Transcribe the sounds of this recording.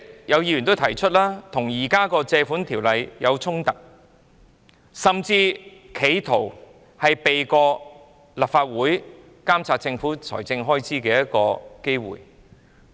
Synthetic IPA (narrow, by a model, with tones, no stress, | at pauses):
jɐ˨˧wjiː˧jy˨nt̪o˥wt̪ʰɐ˨˩jt͡ʃʰɵ˥t̚laː˥t̪ʰʊ˨˩ŋjiː˨˩kaː˥kɔː˧t͡sɛː˧fuː˨˥nt̪ʰiː˨˩wlɐ˨˧jjɐ˨˧wt͡sʰʊ˥ŋt̪ɐ˨k̚ | sɐ˨˩mt͡siː˧kʰe˨˧jt̪ʰo˨˩w | hɐ˨jpe˨jkɔː˧ | lɐ˨˩p̚faː˧t̚wuː˨˥j | kaː˥mt͡sʰaː˧t͡sɪ˧ŋfuː˨˥t͡sʰɔ̰ː˨˩jt͡sɪ˧ŋɦɔː˥jt͡sʰiː˥kɛː˧jɐ˥t̚kɔː˧ke˥jwṵː˨˩j